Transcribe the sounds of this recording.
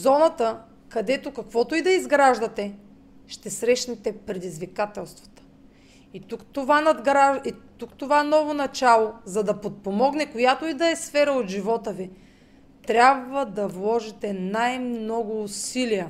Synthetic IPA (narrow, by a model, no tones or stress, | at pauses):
zɔnɐt̪ə | kɐd̪ɛt̪okɐkvɔt̪oid̪ɐizɡɾaʒd̪ɐt̪ɛ | ʃt̪ɛsɾɛʃnɛt̪ɛpɾɛd̪izvikat̪ɛlˠst̪vo̥t̪ə̥ | it̪ukt̪ovanɐd̪ɡɾait̪ukt̪ovaɛnɔvonɐt͡ʃalˠozɐd̪ɐpot̪̚pomɔɡnɛkojat̪oid̪ɐɛsfɛɾɐot̪ʒivɔt̪əvi | t̪ɾʲabvəd̪ɐvlˠɔʒit̪ɛnajmnɔɡʊːsilijə